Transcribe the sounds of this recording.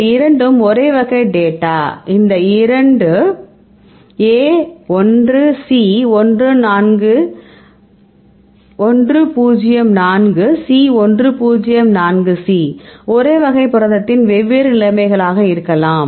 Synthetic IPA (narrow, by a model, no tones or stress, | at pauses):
ɪɾɐɳɖɯmɔɾeːʋɐɣɐɪɖeːʈːaːʔɪnd̪ɐɪɾɐɳɖɯ | eːɔndrɯsiːɔndrɯnaːnɡɯ | ʔɔndrɯpuːd͡ʒɪjɐmnaːnɡɯsiːɔndrɯpuːd͡ʒɪjɐmnaːnɡɯsiːɔɾeːʋɐɣɐɪpːɯɾɐðɐt̪ːɪnʋɛʋːeːɾɯnɪlɐmɐɪɣɐɭaːɣɐɪɾɯkːɐlaːm